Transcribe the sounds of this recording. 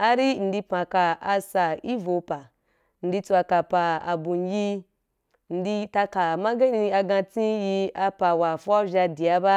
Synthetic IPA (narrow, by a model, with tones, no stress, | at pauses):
a˧ɾi˦n̩˨di˧pã˨ka˧a˧sa˨i˦vo˧pa˨ | n̩˨di˧t͡su˧a˧ka˨pa˧a̰˨bu˨n˨˦ji˦ | n̩˨di˧ta˧ka˨ma˦ɡe˦ni˧i˧a˧ɡã˧t͡sĩ˦ji˧a˧pa˨wa˨fɔ˦ʒʲa˧di˨a˧˦ba˦